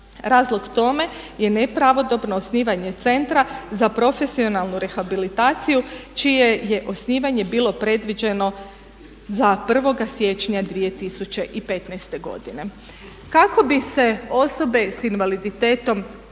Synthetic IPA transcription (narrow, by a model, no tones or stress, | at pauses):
ɾaːzlˠo̞ɡt̪o̞me̞ | je̞nepɾaʋo̞d̪o̞bno̞ːsniːʋaɲe̞t̪se̞nt̪ɾazapɾo̞fe̞sio̞nalˠnuɾe̞xabilit̪aːt̪sijut͡ʃije̞je̞ʔo̞sniːʋaɲe̞biːlˠo̞pɾe̞d̪ʋid͡ʒe̞no̞ | zapr̩ʋo̞ɡasje̞t͡ʃɲad̪ʋije̞t̪isut͡ɕe̞ʔipe̞t̪najst̪e̞ɡo̞̰d̪ine̞ | kako̞bise̞o̞so̞be̞sinʋalid̪it̪e̞ːt̪o̞m